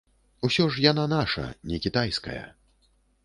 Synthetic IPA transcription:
usʲɔʂjananaʂɐ̰nʲɛkʲit̪ajskɐ̰jɐ̰

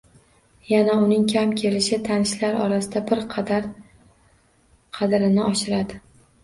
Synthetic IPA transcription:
janaʊnɪŋkʲʰamkʲʰe̞lɪʃɪt̪ʰanɪʃlaɾɒ̰ɾasɪd̪abɪɾq̪ʰɾ | qʰɑd̪ɾɪnɪɒʃɪɾad̪ɪ

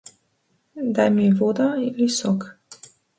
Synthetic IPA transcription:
d̪ajmiʋoːd̪ailisok

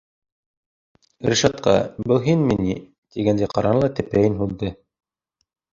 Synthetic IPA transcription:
ɾʲiʃɑt̪qɑ̰bɤlˠɦinmini | t̪iɡænd̪æjqɑɾɑnlˠɑt̪ɘ̆pæjɘnɦulˠd̪ɤ

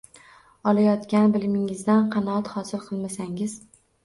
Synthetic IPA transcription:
ɒlˠajɒt̪kʲanbɪlɪmɪŋɪzd̪anqʰɑnɒɑt̪χɒsɪlˠqʰɨlˠmasaŋɪz̥

